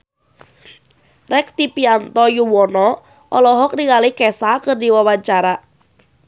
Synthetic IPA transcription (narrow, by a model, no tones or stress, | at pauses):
rɛk̚t̪ipiant̪ɔjuwɔnɔ | ʔɔ̰lɔɦɔk̚diŋalikɛsakɨrdiwawaɲt͡ʃaɾa